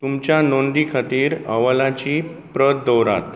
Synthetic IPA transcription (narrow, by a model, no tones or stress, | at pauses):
t̪umt͡ɕjanond̪iːkʰat̪iːɾəʋəlat͡ɕiː | pɾət̪̚d̪ɔwɾa̰t̪